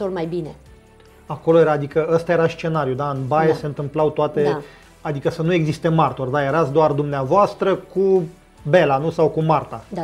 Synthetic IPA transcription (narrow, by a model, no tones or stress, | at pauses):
olmajbine | ako̞lo̞je̞ɾaːd̪ikəəst̪aje̞ɾast͡ʃe̞naɾijud̪aɨnbajese̞nt̪ɨmplawt̪oat̪e̞ | ad̪ikəsənue̞ɡzist̪e̞mart̪ord̪ajeɾat̪sʲd̪oard̪umneavoast̪ɾəku | be̞lanusawkumart̪a